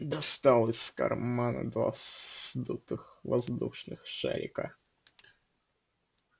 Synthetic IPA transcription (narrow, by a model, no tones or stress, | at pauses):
d̪ɐst̪alˠəsʲkɐ̰rmmanɨ̰d̪va̰sd̪ut̪ɨxvɐzd̪uʂnɨxʂɛ̰lʲɪ̰kə